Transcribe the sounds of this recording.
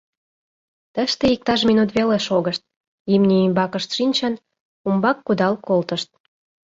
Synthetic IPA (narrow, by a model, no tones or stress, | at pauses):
t̪əʃt̪eik̚t̪ɑʃminut̪βeleʃoɣəʃt̪̚ | imnʲiːmbɑkəʃt̪ʃinʲt͡ɕən | umbɑkːud̪ɑlkolt̪əʃt̪̚